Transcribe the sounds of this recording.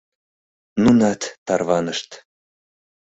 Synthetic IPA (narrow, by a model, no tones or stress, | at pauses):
nunɑt̪ːɑrβɑnəʃt̪